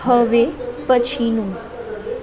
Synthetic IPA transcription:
həʋepət͡ʃʰinũ

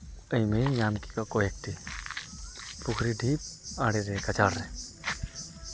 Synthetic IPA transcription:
əĩmẽĩjaːmkikakoek̚ʈ̪i | pʊkʰɾiɖʱiːp̚aːɽeɾekɐt͡ʃaːɽɾɛː

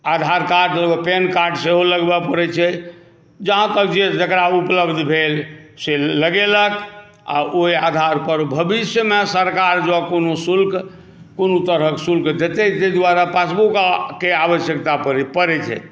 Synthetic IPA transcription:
ad̪ʱaɾkaɾɖləbəpenkaɾɖseɦoləɡbəpəɾɛt͡ʃʰɛ | d͡ʒəɦãt̪ək̚d͡ʒed͡ʒəkɾaupləbd̪ʱbʱelseləɡelək | a̰ʔoiad̪ʱaɾpəɾbʱəbisjəmesəɾkaɾd͡ʒakonosulkʰ | konot̪əɾəksulkʰd͡ʒ̪et̪ɛt̪ed̪waɾapasbukakeaʋəsjəkt̪apəɾipəɾɛt͡ʃʰɛ̰

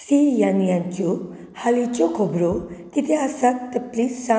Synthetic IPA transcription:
sijanijãnt͡ʃu | halit͡ʃokʰobɾot̪it̪ʰeasak̚t̪əplisa

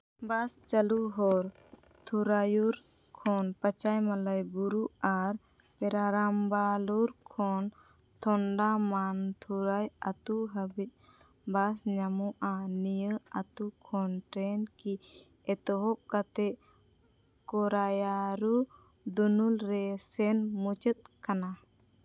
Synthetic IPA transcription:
bast͡ʃəluɦɔɾ | t̪ʰuɾajuɾ | kʰɔnpət͡ʃajmaləjbuɾuaɾ | pɛɾaɾambaluɾkʰɔn | t̪ʰɔɳɖamant̪ʰuɾajat̪uɦəbit̪̚ˀ | basɲamɔʔanijəat̪ukʰɔnʈɾɛnki | ɛt̪ɔɦɔʔ̚kat̪ɛʔ | kɔɾajaɾu | d̪unulɾɛsɛnmut͡ʃət̪̚kana

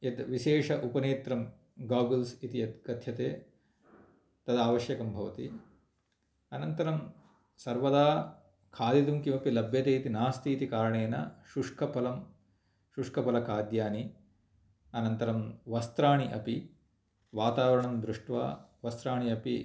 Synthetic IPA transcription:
ed̪ʋiʃeːʂɐʔupɐneːt̪ɾɐm | ɡaːɡɐlsit̪iɐt̪ɡɐd̪ʰʱjɐt̪eː | t̪ɐd̪aːʋɐʃjɐkɐmbʱɐʋɐt̪ḭ | ɐnɐnt̪ɐɾɐm | sɐɾʋɐd̪aː | kʰaːd̪it̪umkimɐpilɐbʱjɐt̪eːit̪inaːst̪ʰiːt̪ikaːɾɐɳeːnɐ̰ʃuʂkʰɐpʰɐlɐm | ʃuʂkʰɐpʰɐlɐkʰaːd̪jaːni | ɐnɐnt̪ɐɾɐmʋɐst̪ɾaːɳiʔɐpi | ʋaːt̪aːʋɐɾɐɳɐmd̪ɾuʂʈʋa̰ːʋɐst̪ɾaːɳiɐpi

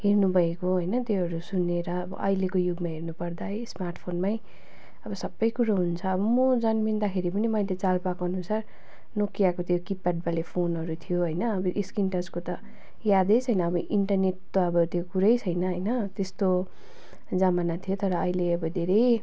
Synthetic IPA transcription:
ɦernubʱʌekoɦʌjnʌt̪joɦʌɾusunːeɾʌːbʌ̰ʔʌjlekojuɡmaɦernupʌrd̪ajsmarʈpʰonmaj | ʌbʌsʌbːʌjkuɾaɦunt͡sʰʌːbʌmʌd͡zʌnmind̪akʰeɾipʌnimʌjlet͡salpakoɦʌnusar | nokijakot̪jokipːaɖ̚balepʰonɦʌɾut̪ʰijoɦʌjnʌːbʌʔiskinʈʌd͡zkot̪ʌ | jad̪ʌjt͡sʰʌjnʌːbʌʔiɳʈʌrneʈt̪oʌbʌt̪jokuɾʌjt͡sʰʌjnʌɦʌjnʌt̪est̪o | d͡zamanat̪ʰijot̪ʌɾʌːjleʌbʌd̪ʱeɾʌj

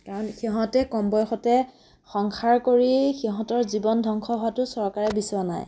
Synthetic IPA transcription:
kaɹɔnxiɦɔ̃tɛkɔmbɔjxɔtɛ | xɔŋxʰaɹkoɹixiɦɔ̃tɔɹzibɔndʱɔŋkʰɔɦʊwatʊsɔɹkaɹɛbiswana̰j

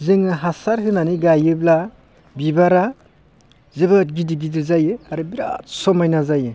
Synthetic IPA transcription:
zɯŋɯɦasaɾɦɯnaniɡajɯbla | bibaɾa | zɯbɯt̚ɡidiɡidizajɯaɾɯbiɾa̰t̚sɔmajnazajɯ

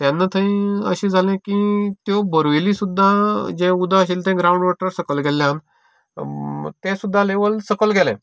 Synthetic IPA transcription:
t̪janːət̪ʰəĩəɕĩd͡zʱalẽkit̪jobəɾʋelisud̪ʱːad͡ʑẽud̪ʱaɕ̬iːlt̪ɛ̃ɡɾauɳɖʋɔʈəɾsəkəlɡɛlːjãn | t̪ẽsud̪ʱːaleʋəlsəkəlɡɛlɛ̰̃

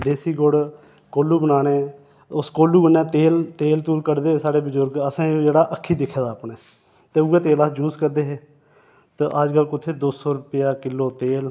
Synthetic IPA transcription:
d̪eːsiːɡoɽ | koːluːbənaːneː | ʊskoːluːɡənɛ̃ːt̪eːlt̪eːlt̪uːlkəɾd̪eːeːsaːɽeːbəzʊɾɡəsãːd͡ʒeːɽaːʔəkʰːiːd̪ɪkʰːeːd̪aːpɳeː | t̪eːuːeːt̪eːlaːd͡ʒuːzkəɾd̪eːɦeː | t̪aʔəd͡ʒkəlkʊt̪ʰːeːd̪oːsɔːɾʊpɪjaːkɪlːoːt̪eːl

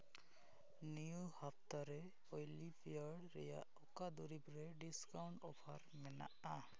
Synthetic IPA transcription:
nijuhap̚ʰt̪aɾɛ | ojlipijaɾɽɾɛ̰ja̰ | ɔkad̪uɾibɾɛɖiskawɳʈɔpʰaɾmɛna̰ʔa

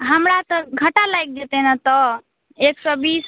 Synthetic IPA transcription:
ɦəmɾat̪əɡʱəʈalajk̚d͡ʒet̪enat̪ɔ | eksɔbis

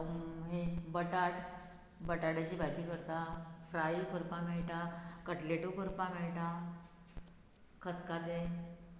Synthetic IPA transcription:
ɦebəʈaʈ | bəʈaɽat͡ɕibʱajt̪ikəɾt̪afɾajikʰəɾpameɭʈakəʈleʈukəɾpameɭʈ̪a | kʰət̪kat̪e

